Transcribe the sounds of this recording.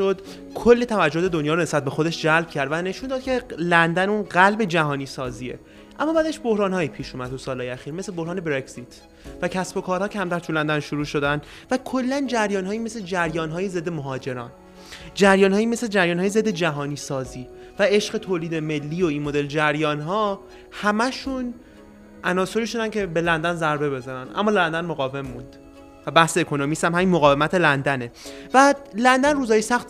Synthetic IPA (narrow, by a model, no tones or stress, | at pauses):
od̪ | kʰolːet̪ʰævæd͡ʒːoht̪ʰed̪onjɒːɾone̞sbæt̪̚be̞xo̞d̪e̞ʃd͡ʒælb̥cʰæɾd̪væne̞ʃuːnd̪ɒːd̪̚cʰe̞lænd̪ænuːnɢælbe̞d͡ʒæɦɒːniːsɒːziːḛ | ʔæmːɒːbæːd̪eʃbo̞hɾɒːnhɒːjipʰiːʃuːmæd̪t̪ːʰusɒːlhɒːjeæxiːɾmeslebo̞hɾɒːne̞bɾecsit̪ʰ | væcʰæsbo̞kʰɒːɾhɒːcʰæmt̪æɾt̪ʰulænd̪ænʃuɾuːʃod̪ænd̪ | vækʰolːænd͡ʒæɾjɒːnɦɒːime̞sled͡ʒæɾjɒːnɦɒːjeze̞d̪ːe̞moɦɒːd͡ʒe̞ɾɒ̰ːn | d͡ʒæɾjɒːnhɒːjiːmesed͡ʒæɾjɒːnɦɒːjeze̞d̪ːe̞d͡ʒæɦɒːniːsɒːziː | væe̞ʃɢe̞t̪ʰoːliːd̪e̞me̞lːiːoinmod̪e̞ld͡ʒæɾjɒːnɦɒː | hæmæʃun | ʔænɒːso̞ɾiʃud̪æncʰe̞be̞lænd̪ænzæɾbe̞βe̞zɒɾænʔæ̰mːɒːlænd̪ænmoɣɒːve̞mːund̪̥ | væbæhsekʰonomisæmɦæmiːnmoɣɒːve̞mæt̪ʰelænd̪ænebælænd̪ænruːzhɒːjesæxt̪